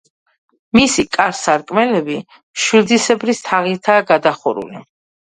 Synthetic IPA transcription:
misikʼaɾsaɾkʼmɛlɛbi | ʃwild̪isɛbɾist̪ʰaʁiɾt̪ʰaːɡad̪aχɔɾṵlḭ

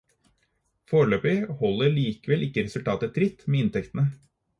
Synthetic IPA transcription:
foːɾɭøːpɪhɔlːəɭiːkəʋɛlʔɪkːəɾɛsʉlt̪ʰɑːt̪ət̪ʰɾɪt̪meːɪnt̪ʰɛkt̪ənə

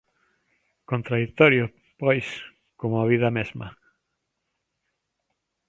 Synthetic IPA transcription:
kõnt̪ɾaðik̚t̪oɾjo | pojs | komaβ̞iðamezma̰

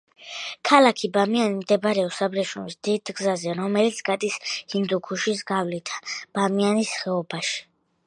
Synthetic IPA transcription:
kʰalakʰibamianimd̪ɛbɾɛɔsabɾɛʃumisd̪̥id̪ɡzazɛɾɔmɛlit̪sʰɡ̥ad̪ʼishind̪ukʰuʃis̬ɡavlit̪ʰḁb̥amianisχɛɔbaʃi̥

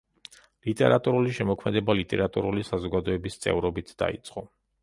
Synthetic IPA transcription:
lit̪ʼɛ̰ɾat̪ʼuɾuliʃɛmɔkʰmɛd̪ɛbalit̪ʼɛ̰ɾat̪ʼṵɾulisazɔɡad̪ɔɛbist̪sʼɛ̰vɾɔbit̪ʰd̪a̰ḭt̪sʼqʼɔ

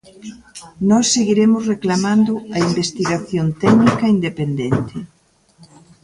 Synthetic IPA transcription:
nɔsːeɣiɾemʊsreklamãnd̪ʊɐimbest̪iɣaθjont̪ɛknikɐind̪epend̪ent̪ɪ

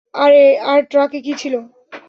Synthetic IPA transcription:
aɾeaɾʈɾakekit͡ɕʰilo

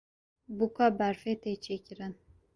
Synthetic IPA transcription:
bukabæɾfet̪et͡ʃʰekʲiɾin

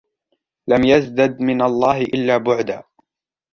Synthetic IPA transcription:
lamjazd̪ad̪mɪnalˤːɑːhɪʔɪlːaːbʊʕd̪aː

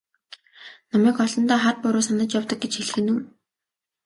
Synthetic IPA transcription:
nɔmiːkɔɮɞ̆nt̪aːχat̪̚pʊɾʊːsanə̆t͡ɕjawt̪ɞ̆k̚ɡet͡ɕxeɮ̆xɘ̆nuː

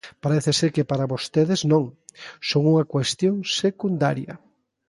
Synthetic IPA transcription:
paɾɛθeseɾkɪpaɾaβost̪eðɪznõŋsoŋuŋɐkwest̪joŋsekund̪a̰ɾjɐ

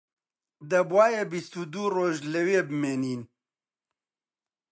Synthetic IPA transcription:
d̪ɐbwaːjebist̪ud̪uːroːʒlɐweːbɨmeːniːn

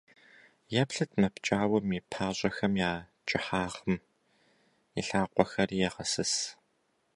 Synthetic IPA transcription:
jɐpɬɨtʰmɐpt͡ʃʼaːwɐmiːpʰaːɕʼɐxɐmjaː | t͡ʃʼɪħaːʁəm | iɬaːqʷʼɔxɐrijɛʁɐsɨs

